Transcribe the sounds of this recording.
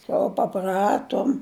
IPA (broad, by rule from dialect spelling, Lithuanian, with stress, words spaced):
koːlˠ pɐˈprɑːtoːm